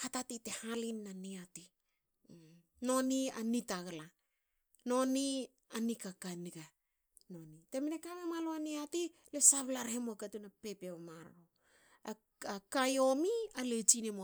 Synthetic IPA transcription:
hatatite̞halinːaniati | no̞nianitaɡala | no̞ni | anikakaniɡa | no̞nite̞menekamemaloaniati | le̞saβlaɾhemoakatunape̞pemaɾaɾo | a | akajo̞mialet͡ʃinemo

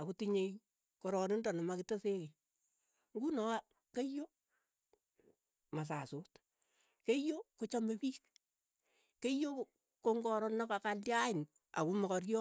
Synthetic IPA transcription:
akutiɲej | kɔɾɔnɪndanamakɪteseki | ŋɡunɔa | kejo | mas̬asot | kejokot͡ʃamebiːk̚ | kejo | koŋɡɔɾɔnɔkakaljaɪn | a̰kumɔkɔrjɔ

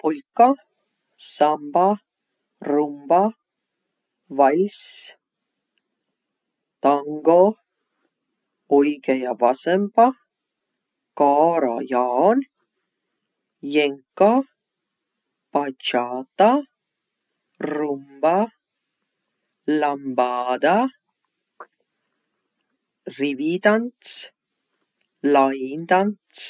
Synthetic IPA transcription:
pojka | samba | rumba | vajs | t̪aŋɡo | oikejavasempa | kaɾa̰jaon | jɛŋka | pat͡ʃat̪a | rumba | lambaːd̪a | riʋit̪ants | laind̪ant̪s

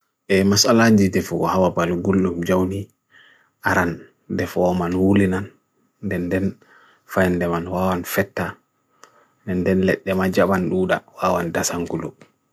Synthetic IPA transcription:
ʔɛmasalaɲd͡ʒidɛfɔɡɔhawabalɡulɗumd͡ʒawni | ʔaɾan | dɛfɔːmanwulinanː | dɛndɛn | fajndɛmanwawanfɛtːa | dɛndɛnlɛɗːɛmad͡ʒaɓanɗuːɗa̰wawandasaŋɡulu

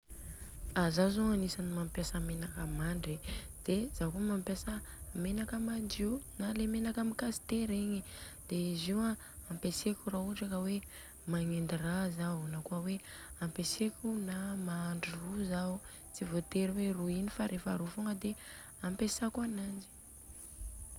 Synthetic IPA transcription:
azazaŋanisanimampjasamenakamaɳɖ͡ʐed̪̥ezakumampjasəmenakamaɳdiwnalemenakamikazi̥t̪eɾeɲid̪̥eiziwa | ampesekʲurauʈ͡ʂakəwe | maŋend̪irazawnakuəweampesekʲunamaːɳɖ͡ʐiruzau | t͡sivot̪eɾiweruinifaɾʔefaɾufoŋəd̪e | ampesakuanand͡ʒi̥

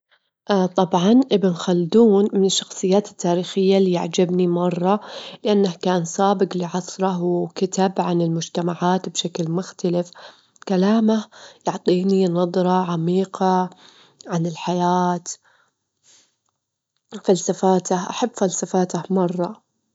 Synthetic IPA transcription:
ʔt̪ˤɑbʕɑnʔɪbɪnxald̪uːnmɪnɪʃːɑ̥xsˤɨjːaːt̪ɪ̥t̪ːaːɾiːxɪjːaliːja̰ʕd͡ʒabnimɑrˤːɑlɪʔanːahkaːnsˤaːbɪqliʕɑsˤɾˤɑɦwkɪt̪abʕanɪlmʊd͡ʒt̪amaʕaːt̪bʃaklmʊxt̪alɪf | kalaːmahjʊʕt̪ˤiːninɑd̪ˤɾˤɑʕamiːqɑ | ʕanɪlħajaːt̪ | falsafaːt̪ahʔa̰ħabːfalsafaːt̪ahmɑrˤːɑ

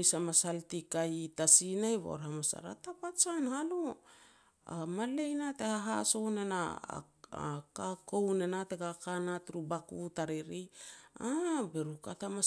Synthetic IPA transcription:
samasaltikajtasinajβo̰ɾhamasa̰ɾa̰tapat͡ʃanhalo | a̰male̞jnate̞haɦa̰so̞ne̞na̰ | kako̞wnenateɡakanatɾubakutaɾiɾiabeɾukatama

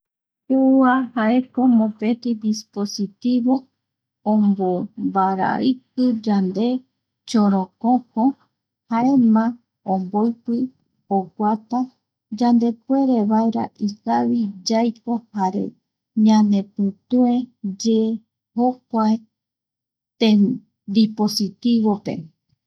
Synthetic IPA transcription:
euahaeko̞mõpet̪id̪ispo̞sit̪iβo | õmbombaɾa̰ɨkɨd͡ʒand̪e̞ | t͡ʃoɾõkõko | haemã | õmboɨjpɨ | okʷat̪a | d͡ʒãnd̪e̞kwe̞ɾe̞βaeɾa̰ʔikaβid͡ʒajko̞haɾe̞̰ | ɲãnẽ̞pɨt̪ued͡ʒe | hok̚ʷae | t̪e | d̪iposit̪iβo̞pe̞̰

